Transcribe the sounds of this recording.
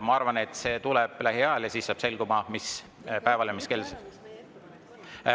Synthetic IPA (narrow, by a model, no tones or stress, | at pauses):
mɑɑrvɑne̞t̪ːˑse̞ːt̪ulɛb̥læɦiɑljɑsisːɑːb̥se̞lɡ̥umɑmis | pæe̞vɑljɑmiske̞lse